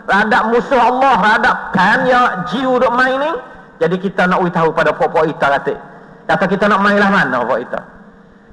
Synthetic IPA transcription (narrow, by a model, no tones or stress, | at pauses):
radaʔmusʊhɑlːɔhradaʔpanjad͡ʒiudoʔmãinɪ | d͡ʒadikit̪anaʔwit̪aɦukpadapɔʔpɔʔit̪akat̪ḛʔ | kat̪akit̪anɔʔmailahmana̰pɔ̰ʔit̪a̰